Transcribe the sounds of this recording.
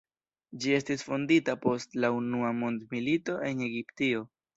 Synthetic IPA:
d͡ʒie̞stisfo̞nditapo̞stlaunuamo̞ndmilito̞ʔe̞ne̞ɡiptio̞

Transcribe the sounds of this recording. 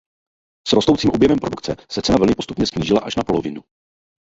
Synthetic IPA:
sɾost̪owt͡siːmʔobjɛvɛmpɾo̞dukt͡sɛsɛt͡sɛnavɛlɲɪpo̞st̪upɲɛsɲiːʒɪlaʔaʃnapo̞lovɪnu

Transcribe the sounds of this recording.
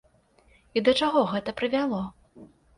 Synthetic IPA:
id̪ɐt͡ʂaɣɔɣɛt̪ɐpɾɨvʲalˠɔ

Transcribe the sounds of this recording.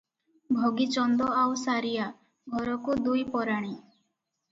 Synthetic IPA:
bʱɔɡit͡ʃɔnd̪ɔawsaɾija | ɡʱɔɾɔkud̪ujpɔɾaɽ̃i

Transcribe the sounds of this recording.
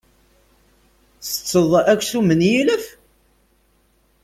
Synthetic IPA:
θə̥t͡sːəðˤækːsumənjiləf

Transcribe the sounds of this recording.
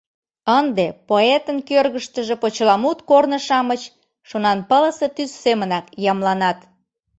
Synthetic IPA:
ənd̪epoet̪ənkørɣəʃt̪əʒĕpot͡ɕlɑmut̪kornəʃɑmət͡ɕ | ʃonɑnpələset̪yssemənɑkjɑmlɑnɑt̪

